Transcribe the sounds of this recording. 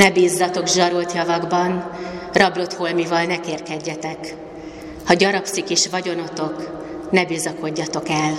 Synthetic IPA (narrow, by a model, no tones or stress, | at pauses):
nɛbiːzːɒt̪o̞ɡʒɒɾolt̪jɒvɒɡbɒnrɒblo̞t̪holmivɒlnɛkeːrkɛɟːɛt̪ɛk | hɒɟɒɾɒpsikiʃvɒɟo̞no̞t̪o̞k | nɛbiːzɒko̞ɟːɒt̪o̞kɛl